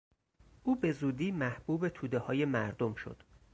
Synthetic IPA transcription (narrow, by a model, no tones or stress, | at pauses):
ʔuːbe̞zuːd̪iːmæhb̥uːbe̞t̪ʰuːd̪e̞hɒːje̞mæɾd̪o̞mʃo̰d̪̥